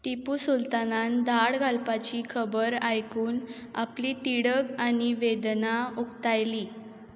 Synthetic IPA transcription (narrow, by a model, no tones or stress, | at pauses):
t̪ipuːsult̪anand̪aɽɡʱalpat͡ɕikʰəbəɾajkuːn | a̰plit̪iɽəɡaniʋed̪naukt̪ajliː